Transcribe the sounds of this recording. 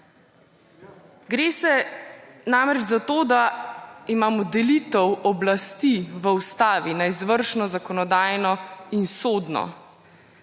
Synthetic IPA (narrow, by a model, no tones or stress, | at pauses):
ɡɾeːsɛ | namɾɛd͡ʒzat̪oːd̪aimaːmɔd̪ɛlit̪əwɔblast̪iʋəust̪aːʋinaizʋəɾʃnɔzakɔnɔd̪aːjnɔinsoːd̪nɔ̰